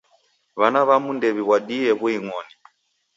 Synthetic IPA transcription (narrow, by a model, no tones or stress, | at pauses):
βanaβamundɛβiβwaɗijɛβuiŋɔni